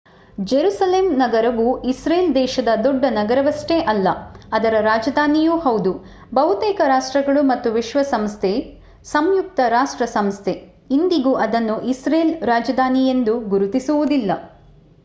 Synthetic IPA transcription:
d͡ʒeɾuːsɐleːmnɐɡɐɾɐʋuisɾeːld̪ɛːʃɐd̪ɐd̪ɔɖːɐnɐɡɐɾɐʋɐsʈeʔɐlːɐɐd̪ɐɾɐɾaːd͡ʒɐd̪ʱaːnijuːhɐwd̪u | bɐɦut̪ɛːkɐɾaːʂʈɾɐɡɐɭumɐt̪ːuʋiʃʋɐsɐmst̪ʰe | sɐmjuk̚t̪ɐɾaːʂʈɾɐsɐmst̪ʰe | ind̪iɡuːʔɐd̪ɐnːuʔisɾeːlɾaːd͡ʒɐd̪ʱaːnijend̪uɡuɾut̪isuʋud̪ilːɐ̰

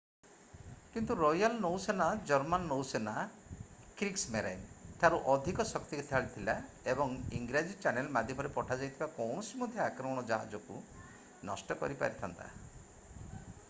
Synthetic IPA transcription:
kint̪uɾɔjalnowsenad͡ʒɔɾmanːowsena | kɾiksmeɾa̰jnt̪ʰaɾuʔɔd̪ʱikɔsɔkt̪iit̪ʰaɭit̪ʰila | ebɔŋḭŋɡɾad͡ʒit͡ʃanelmad̪ʱjɔmɔɾepɔʈʰad͡ʒajt̪ʰibakɔwɳ̃ɔsimɔd̪ʱjɔakɾɔmɔɽ̃ɔd͡ʒaɦa̰d͡ʒɔkṵ | nɔsʈɔkɔ̰ɾipa̰ɾit̪ʰant̪a̰

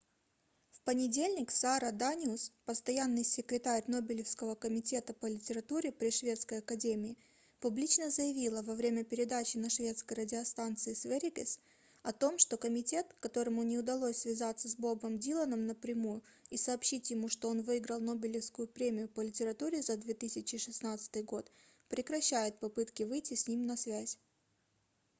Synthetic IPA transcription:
fpənʲɪdʲelʲnʲɪksaɾəd̪anʲuspəst̪ɐjanːɨjsʲɪkɾʲɪt̪aɾʲno̞bʲɪlʲɪfskəvəkəmʲɪtʲe̞t̪əpəlʲɪtʲɪɾɐt̪uɾʲɪpɾʲɪʂvʲe̞t̪skəjɐkɐdʲemʲɪɪ | pʊblʲit͡ɕnəzəjɪvʲilˠəvɐvɾʲemʲəpʲɪɾʲɪd̪at͡ɕɪnɐʂvʲe̞t̪skəjrədʲɪɐst̪ant̪sɨɪsvʲeɾʲɪɡʲɪs | ɐt̪o̞mʂt̪o̞kəmʲɪtʲe̞t̪kːɐt̪o̞ɾəmʊnʲɪʊd̪ɐlˠosʲsvʲɪzat̪sːəzbo̞bəmdʲilˠənəmnəpɾʲɪmujʊisɐːpɕitʲjɪmuʂt̪o̞onvɨɪɡɾəlˠno̞bʲɪlʲɪfskʊjʊpɾʲemʲɪjʊpəlʲɪtʲɪɾɐt̪uɾʲɪzad̪vʲet̪ɨsʲɪt͡ɕɪʂɨsnat̪sɨ̥t̪ɨjɡo̞t̪ | pɾʲɪkɾɐɕːæjɪt̪̚pɐpɨt̪kʲɪvɨjtʲɪsʲnʲimnɐsvʲæzʲ

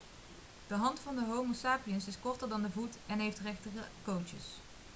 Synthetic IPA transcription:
d̥əɦɑntfɑndəɦowmosaːpiənsɪskɔɹtəɹdɑndəvutɛnɦejftrɛχtəəkowt͡ʃə̰s

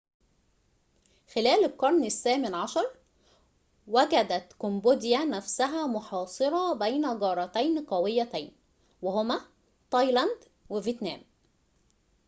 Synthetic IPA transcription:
xɪlæːlɪlkɑɾˤnɪsːæːmɪnʕɑʃɑɾˤ | wæɡæd̪æt̪komboːd̪ɪjænæfsæɦæmʊħɑːsˤɨɾˤɑbæjnæɡɑːɾˤɑt̪æjnqɑwɪjːæt̪æjn | wehʊmæ | t̪ˤɑjlɑnd̪ | wɪviet̪næ̰ːm

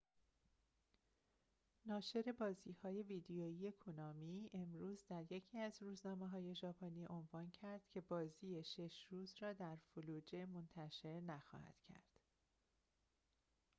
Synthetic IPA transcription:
nɒːʃe̞ɾe̞bɒːziːhɒːje̞viːd̪ejoːije̞kʰunɒːmiːe̞mɾuːzd̪æɾjecʰiːæzɾuːznɒːmeɦɒːje̞ʒɒːpʰoniːʔo̞nvɒːncʰæɾd̪̥cʰe̞bɒːziːjeʃe̞ʃɾuːzrɒːd̪æɾfuluːd͡ʒe̞mont̪ʰæʃe̞ɾnæxɒ̰ːhæ̰d̪̥cʰæ̰ɾd̪̥

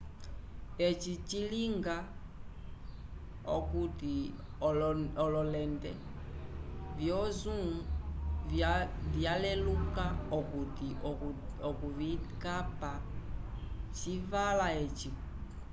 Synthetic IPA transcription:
ɛt͡ʃit͡ʃiliŋɡa | ɔ̰kuti | ɔlɔlɛndɛ | vjɔzu | vjalɛlukaɔkutiɔkuvikapa | t͡ʃivalaɛt͡ʃi

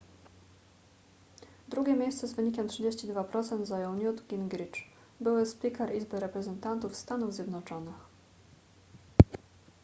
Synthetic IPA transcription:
d̪ɾuɡʲɛmʲjejst̪sɛzvɘɲikʲɛmtʂɘd͡ʑeɕt͡ɕid̪vapɾɔt̪sɛnd̪zajɔw̃ɲjut̪ɡʲinɡɾʲit͡ʂ | bɘwɘspʲikɛɾʔizbɘɾɛpɾɛzɛnt̪ant̪ufst̪anuvzʲjɛd̪nɔt͡ʂɔnɘx

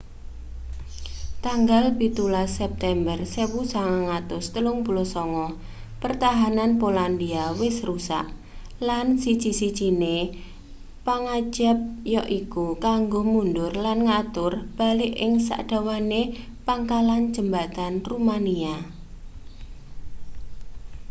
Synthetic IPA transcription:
t̪aŋɡalbit̪ulasɛp̚t̪ɛmbərsewusaŋaŋat̪ʊst̪əlʊŋb̥ṳlɔsɔŋɔ | pərt̪aɦananpoland̪iawɪsrusa̰ʔ | lansi̥t͡ʃisi̥t͡ʃine | paŋad͡ʒap̚jɔʔikukaŋɡomundʊrlanŋat̪ʊrb̥a̤lɪʔɪŋsa̰ʔd̥a̤wane | paŋkalan̥d͡ʒ̥əmbat̪anrumania

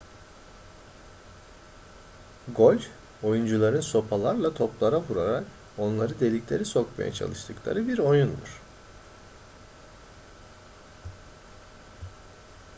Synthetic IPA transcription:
ɡo̞lʲ | o̞jund͡ʒulˠaɾɯnso̞pʰalˠaɾlˠat̪ʰo̞plˠaɾavuɾaɾak | o̞nlˠaɾɯd̪e̞lʲiclʲe̞ɾiso̞kma̰ja̰t͡ʃʰa̰lˠɯʃt̪ʰɯklˠa̰ɾɯbiɾo̞jund̪ṵɾ̥

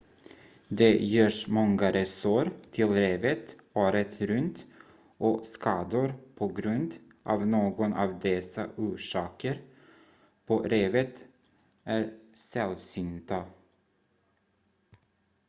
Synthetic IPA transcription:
d̪ɛjøːʂmɔŋːaɾɛsoɾt̪ʰɪlɾeːvət̪ | oːɾət̪ɾɵnt̪ | ʔɔskʰɑːd̪ʊɾpʰɔɡɾɵnd̪ | ʔɑ̰vnoːɡɔnɑ̰ːvd̪ɛsa̰ʔuːʂɑːkəɾ | pʰɔɾeːvət̪ | ʔæɾsɛlsʏnt̪a

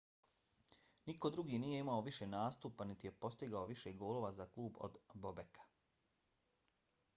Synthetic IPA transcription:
niko̞d̪ɾuɡiːniːje̞imaoʋiʃe̞naːst̪upanit̪ije̞po̞st̪iɡaoʋiʃeɡo̞ːlˠo̞ːʋazaklˠuːbo̰d̪bobekʰḁ

